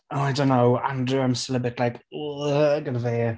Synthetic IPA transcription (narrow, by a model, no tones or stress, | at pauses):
oajdõnːowa̰ndruəmsəlˠəbɪtʰlajk | ɡənveː